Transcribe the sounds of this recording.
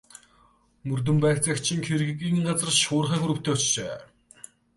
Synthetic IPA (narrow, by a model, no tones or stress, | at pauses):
mɵrt̪̬ɵ̆mpæːxt͡săkt͡ɕʰĭŋxʰeɾɣɘ̆kiːŋɢat͡sə̆rʃʊːrχæːxɵɾɵ̆kt̪ʰeːʊt͡ɕt͡ɕeː